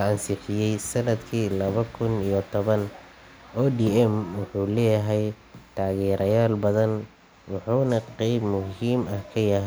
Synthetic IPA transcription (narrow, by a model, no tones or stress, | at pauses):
ɐɐnsɪħɪjɛjsɐnɐd̪kʰiːlɐβɐkʰʊnijɔt̪ʰɔβɐn | ʔɔːdiːɛmwʊħuːlɛːjɐɦɛj | t̪ʰaːɣɛːɾʔɐjaːlbɐðɐn | wɑħuːnɐqɛjbmʊɦiːmɐhkʰɐjɐɦ